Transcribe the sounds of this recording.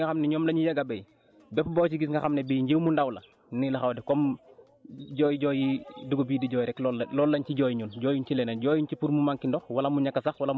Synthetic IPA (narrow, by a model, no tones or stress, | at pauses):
ɐxamnɛɲɔːmlɐɲujɐɡɐbɛj | bɛpbɔːt͡ʃiɡisŋɡɐxamnɛbijɲɟewmundɐwlɐ̰ | nilɐxɐwdɛkɔm | ɟɔːjiɟɔːjiduɡobiːdiɟɔːjɾɛklɔlɔːlːɐɲciɟɔjɲunɟɔːjuɲcilɛnɐɟɔːjuncipuɾmumaŋkindɔxwɐlɐmuɲɐkːɐsɐxwɐlɐm